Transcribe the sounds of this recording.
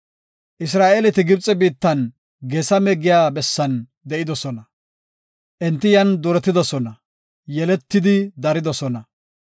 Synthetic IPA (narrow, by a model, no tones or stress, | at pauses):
ʔɪs̬ɾaːʔelɛt̪ɪɡɪb̚t͡sʼɛbiːt̪ːɐn | ɡeːsɐmɛɡɪjaːbɛsːɐn | d̪ɛʔɪd̪ɔsɔnɐ | ʔɛnt̪ːɪjɐnd̪ʊɾɛt̪ːɪd̪ɔsɔnɐ | jɛlɛt̪ːɪd̪ɪd̪ɐɾɪd̪ɔsɔnɐ